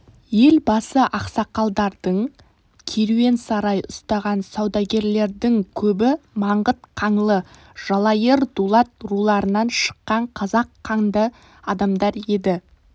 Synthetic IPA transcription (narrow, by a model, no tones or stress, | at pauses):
je̞lbɑsəʔɑqsɑqɑlˠd̪ɑɾd̪əɴ | kʲʰeɾuwe̞nsɑɾɑjʊst̪ɑʁɑnsɑwd̪ɑɡʲe̞ɾle̞ɾd̪ɪŋkʲʰɵbɪmɑɴʁət̪qʰɑɴlˠə | ʒ̥ɑlˠɑjəɾd̪ulˠɑt̪rulˠɑɾənɑnʃə̥qːɑɴqʰɑzɑqʰːɑŋd̪ə | ɑd̪ɑmd̪ɑɾe̞d̪ɪ